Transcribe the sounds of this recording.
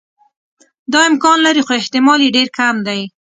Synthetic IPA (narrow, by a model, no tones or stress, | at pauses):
d̪ɑɪmkɑnlaɾixoɪht̪ɪmɑleɖeɾkamd̪aj